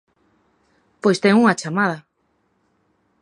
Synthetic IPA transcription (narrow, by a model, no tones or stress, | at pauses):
pojst̪eŋuŋat͡ʃamað̞a